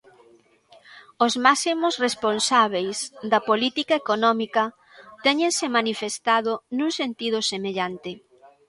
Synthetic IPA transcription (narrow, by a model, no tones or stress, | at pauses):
ozmasimosresponsaβ̞ejsd̪ɐpolit̪ikaekonɔmikɐ | t̪ɛɲẽŋsemanifest̪aðonũŋsent̪ið̞ʊsemeʎant̪ɪ